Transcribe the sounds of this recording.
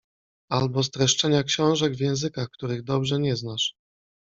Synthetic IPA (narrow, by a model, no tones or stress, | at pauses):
albɔst̪ɾɛʂt͡ʂɛɲakɕɔ̃w̃ʐɛɡvʲjɛ̃w̃zɘkaxkt̪uɾɘɣd̪ɔbʐɛɲɛznaʂ